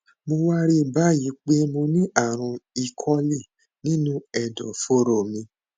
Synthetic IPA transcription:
mo˧wa˦ɾi˦ba˦ji˨˦k͡pe˦mo˧nĩ˦ʔa˦˨ɾ̃ũ˧i˧kʰɔ˦li˦˨ | nĩ˦nũ˦ɛ˨dɔ̰˨fo˦ɾo˦˨mĩ˧

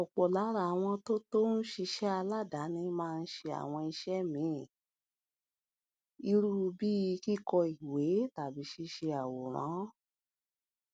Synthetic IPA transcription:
ɔ˨k͡pɔ˨la˨˦ɾa˨w̃ɔ̃˧to˦to˦n̩˦ʃi˧ʃɛ˦a˧la˦˨da˨˦nĩ˧mãː˦˧n̩˦ʃe˧a̰˨w̃ɔ̃˧i˧ʃɛ˦mĩ˨˦˨ | i˧ɾu˦˧bi˦˧ki˦kɔ˧i˨we˨˦ta˨bi˨˦ʃi˧ʃe˧a˨wo˨ɾ̃ã̰˨˦

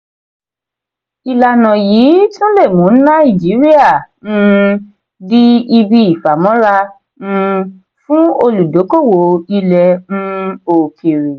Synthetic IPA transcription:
i˨la˨nã˨jiː˨˦tũ˦le˦˨mũ˨˦nã˦i˦˨d͡ʒi˨˦ɾi˦a˦˨nũ˦ | di˦i˧bi˧i˨fa˨mɔ̃˨˦ɾa˧ | ñ̩˧ | fũ˦o˧lu˨do˨˦ko˦˨wo˨i˧lɛ˧nũ˦o˧kʰi˨ɾi˨

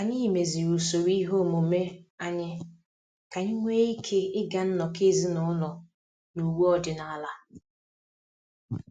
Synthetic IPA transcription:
a˨ɲɪ˦˨me˨zi˨ɾu˨so˨wi˦ɦo˦˨mo˨me˦a˦ɲɪ˦ | ka˨ɲɪ˦ŋʷe˦i˦kʰe˦ɪ˦ɡa˨n̩˦nɔ˨ke˦zi˦nɔ˦lɔ˨ | nu˨wu˦ɔ˦dɪ˨na˨a˦la˦

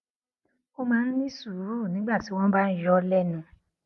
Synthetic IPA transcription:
o˦mãː˦n̩˦nĩ˦su˨˦ɾu˦˨nĩ˨˦ɡ͡ba˦˨ti˨˦wɔ̃˦ba˦n̩˦jɔ˦lɛ˦˨nũ˧˨

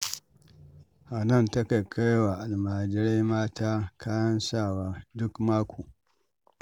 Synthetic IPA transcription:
ʔa˨nɐ˦˨ntɐ˦ka˨kʰa˦jwa˨ʔa˨lmaː˨d͡ʒɪ˦ɾe˦jmaː˦taː˦kʰaː˦jɐ˦nsaː˦˨waː˨dʊ˦kmaː˦kʷʰuː˨

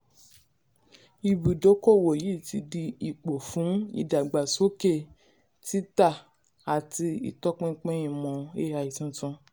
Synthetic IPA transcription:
i˨bu˨do˨˦ko˦˨wo˨ji˨˦˨ti˧di˧i˨k͡po˨fũ˨˦ḭ˨da˨ɡ͡ba˨so˦ke˦˨ | ti˦ta˦˨ | a˨ti˧ḭ˨tɔ˦k͡pɛ̃˦˧k͡pɛ̃˦ĩ˧˨mɔ̃˨e˦a˧˨i˨tũ˦tũ˧

